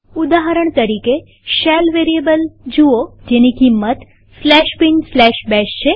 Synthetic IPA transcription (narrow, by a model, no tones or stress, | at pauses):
ud̪aɦəɾəɳt̪əɾike | ʃɛlʋeɾiebəld͡ʒuod͡ʒenikimːət̪ | slɛʃbinslɛʃbɛʃt͡ʃʰe